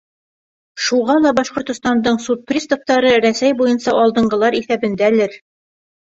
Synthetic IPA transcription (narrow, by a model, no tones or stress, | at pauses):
ʃuʁɑlˠɑbɑʃqŏɾt̪ŏst̪ɑnd̪ɤɴsut̪̚prʲist̪up̚t̪ɑɾɤɾæsæjbujɤnsɑʔɒlˠd̪ɤ̆ɴɢɤ̆lˠɑɾiθæbɘ̆nd̪æ̆lɘɾ